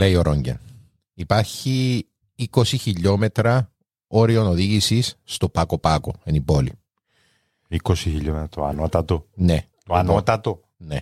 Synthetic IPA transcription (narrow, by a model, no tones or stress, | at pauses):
leio̞ɾoɲɟḛn | ipɐɾçi | iko̞siçiʎːo̞me̞t̪ɾɐ | o̞ɾio̞noðiʝisisːt̪o̞pɐko̞pɐko̰enibo̞lḭ | ikosiçiʎomet̪ɾɐt̪oɐ̰not̪ɐt̪one̞ | t̪oanot̪ɐt̪o | ne